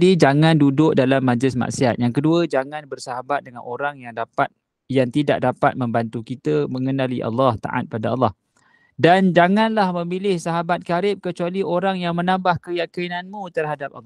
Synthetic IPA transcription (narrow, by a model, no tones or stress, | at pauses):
did͡ʒaŋãndudʊk̚dalamːad͡ʒlɪsma̰ʔsiat̪̚jaŋkəduəd͡ʒaŋãnbərsaɦabat̪̚dəŋa̰noɾaŋjaŋdapat̪̚ | jaŋt̪ida̰ʔ̚dapat̪̚mə̃mbant̪ukit̪əməŋənaliʔɑ̰lːɑht̪a̰ʔa̰t̪̚padaɑlːɑh | dand͡ʒaŋanlahmə̃milɪhsaɦabat̪̚kaɾɪp̚kət͡ʃualiʔoɾaŋjaŋmənãmbahkəjakəinanmũt̪ərɦadap̚ɑlː